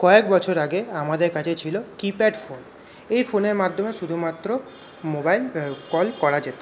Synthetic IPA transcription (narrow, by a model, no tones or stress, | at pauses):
kɔekbɔt͡ɕʰoɾaɡeamad̪eɾkat͡ɕʰet͡ɕʰilokipeɖfon | ejfoneɾmad̪ʱːomeʃud̪ʱumat̪ːɾo | mobajlkɔlkɔɽad͡ʑet̪e